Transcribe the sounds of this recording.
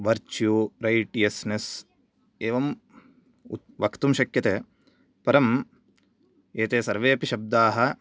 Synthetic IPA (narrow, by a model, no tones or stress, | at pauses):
ʋɐɾt͡ʃjuːɾɐjʈijɐsnes | eːʋɐm | u | ʋɐkt̪umʃɐkjɐt̪e | pɐɾɐm | eːt̪eːsɐɾʋeːɐpiʃɐb̚d̪aːɦɐ